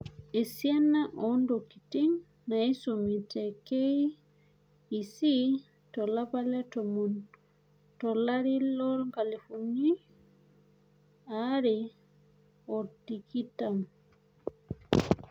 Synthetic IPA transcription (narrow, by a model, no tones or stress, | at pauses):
esianaʔɔndoki̥tiŋ | naisomitɛke | isi | tɔlapalɛtɔmɔn | tɔlaɾilɔɾŋɡalefuni | aɾɛ | ɔɾdikitaŋ